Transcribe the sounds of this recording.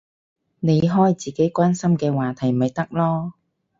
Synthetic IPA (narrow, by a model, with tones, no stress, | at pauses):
ne˨˧jɦɔː˥jt͡siː˨ke˨˥jkʷaː˥nsɐ˥mkɛː˧waː˨˩t̪ʰɐ˨˩jm̩˨ɐ˨jt̪ɐ˥k̚lɔː˥